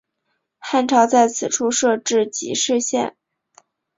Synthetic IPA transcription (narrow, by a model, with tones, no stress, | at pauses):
xa˥˧nʈ͡ʂʰɑ˧˥ʊt͡sa˥˩ɪt͡sʰɹ̩˨˩ʈ͡ʂʰu˥˧ʂɤ˥˧ʈ͡ʂɻ̩˥˩t͡ɕḭ˧˥ʂɻ̩˥˧ɕjɛ̰˥˩n